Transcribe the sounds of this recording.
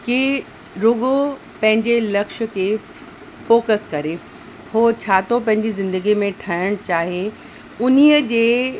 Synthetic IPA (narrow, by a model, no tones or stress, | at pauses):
ki | ɾʊɡo | pɐ̃ɦɪ̃ɲd͡ʑelɐkʃə̆kʰeː | foːkəskɐɾe | hoːt͡ɕʰaːt̪ʰopɐ̃ɦɪ̃ɲd͡ʑizɪ̃nd̪əɡimẽʈʰɐəɽ̃t͡ɕaːɦe | ʊniəd͡ʑeː